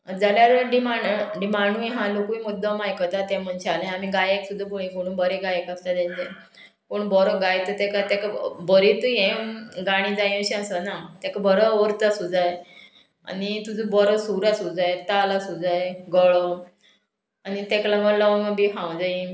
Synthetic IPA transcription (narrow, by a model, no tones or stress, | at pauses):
d͡zaljaɾəɖimaɳɖɖimaɳ̤ũjeɦãlokuimud̪ʱːəmajkət̪at̪ɛ̃m̤əɳɕealẽamiɡajeksud̪ʱːapoɭĩkoɽ̃ũːnbəɾeɡajekast̪at̪ãɲt͡ɕẽ | koɳbɔɾɔɡajt̪ət̪ɛkat̪ɛkbəɾit̪ujẽɡaɽ̃ĩd͡zaj̃əɕɛ̃asənat̪ɛ̃kabəɾəʋəɾt̪asud͡zaj | a̰nit̪ud͡zəbɔɾəsuɾasud͡zajt̪alasud͡zajɡəɭɔ | anit̪ɛklãɡəlaʋŋabiɦãwd͡zai